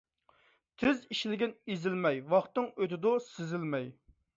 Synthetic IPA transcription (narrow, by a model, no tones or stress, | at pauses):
t̪ʰɪziʃlɪɡʲɪnizɪlmɛjwɑχt̪ːɨŋøt̪ɪd̪ʊsɪzɪlmɛj